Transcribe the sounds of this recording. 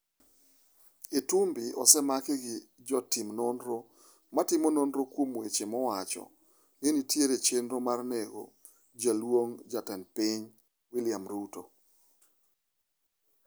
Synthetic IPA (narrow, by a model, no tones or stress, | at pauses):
etumbɪɔ̰sɛmakɪɡɪd͡ʒɔtimnonɾo | matɪmononɾokwomwet͡ʃemɔwat͡ʃɔ̰ | nenitjeɾet͡ʃenɾomarneɡo̰ | d͡ʒalwoŋd͡ʒatɛnpɪɲ | wɪlɪamɾuto̰